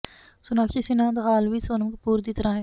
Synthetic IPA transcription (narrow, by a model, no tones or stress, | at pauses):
sʊnakt͡ʃisinãːnd̪ɐɣaːlʋisoːnəmkpuːɾd̪it̪ɐɾãːɦeː